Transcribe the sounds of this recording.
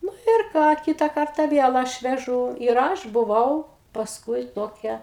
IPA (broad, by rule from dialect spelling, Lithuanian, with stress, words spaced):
ˈnʊ ɪr ˈkɑː ˈkʲɪtɐ ˈkɐrtɐ ˈʋʲiɛlˠ ˈɐʃ ʋʲɛˈʒuː ɪr ˈɐʃ bʊˈʋɐʊ pɐsˈkʊɪ ˈtoːkʲɛ